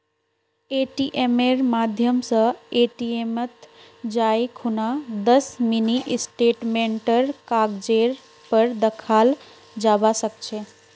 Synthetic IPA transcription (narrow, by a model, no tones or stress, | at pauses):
eʈiʔemeɾmad̪ʱjəmsə̃eʈiemət̪ | d͡ʒaikʰunad̪əsminiʔsʈeʈmeɳʈəɾkaɡd͡ʒeɾ | pəɾd̪əkʰal | d͡ʒabasəkt͡ʃʰe